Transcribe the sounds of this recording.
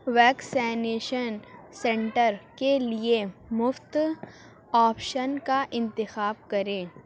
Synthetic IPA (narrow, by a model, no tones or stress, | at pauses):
ʋɛːksɛːneːʃənsɛ̃ɳʈəɾkeliemʊft̪ | aːpʃənkaʔɪ̃nt̪ɪxaːbkɐɾẽː